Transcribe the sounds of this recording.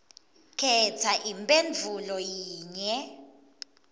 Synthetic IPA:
kʰɛtʰaʔimpʼend͡vʱulɔjiːɲɛ

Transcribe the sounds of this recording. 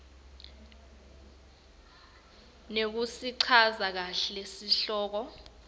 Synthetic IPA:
nek̬usiǀʰazak̬aɬesiɬɔːk̬ɔ

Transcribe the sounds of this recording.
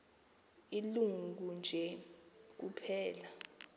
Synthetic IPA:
iluŋɡund͡ʒʱɛk̬upʰɛːla

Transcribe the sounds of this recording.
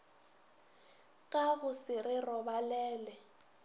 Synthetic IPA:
kʼaɣʊsɪrɪrɔbalɛːlɛ

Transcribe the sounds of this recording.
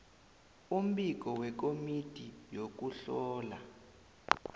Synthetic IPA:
um̩ɓik̬ɔwɛk̬omitʼijok̬uɬɔːla

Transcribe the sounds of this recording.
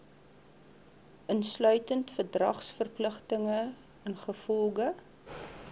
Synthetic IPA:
ʔənslœɥtəntfərdrɐ̰χsfərpləχtəŋə | ənχəfɔlˠɡə

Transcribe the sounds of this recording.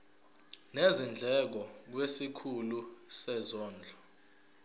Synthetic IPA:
nezind͡ɮʱɛk̬ɔk̬wesikʰulusɛzɔːnd͡ɮʱɔ

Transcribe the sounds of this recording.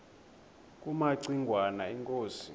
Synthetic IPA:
kʼumaǀiŋɡʱwanaiŋkʼoːsi

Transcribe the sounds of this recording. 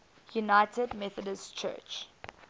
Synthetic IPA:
junaɪtʰədmɛθədəstt͡ʃʰɜ̰ːt͡ʃ

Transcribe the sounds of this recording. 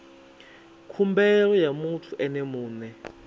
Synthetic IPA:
kʰumbɛlɔjamut͡ɬʰuʔɛnemuːnɛ

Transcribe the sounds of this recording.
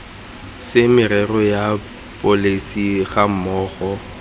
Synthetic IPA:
sɪmɪrɛrɔja | pʼolisiɣam̩mɔːχɔ

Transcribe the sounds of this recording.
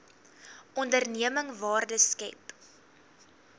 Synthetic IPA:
ʔɔndərniəməŋvɑːrdəskɛ̰p

